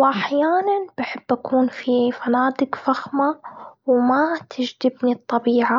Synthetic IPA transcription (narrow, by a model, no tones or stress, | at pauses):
wʔaħjaːnanbɪħɪbːʔakuːnfifanaːd̪ɪkfaxmawmat̪ʰɪd͡ʒd̪ɪbnit̪ˤːɑbiːʕa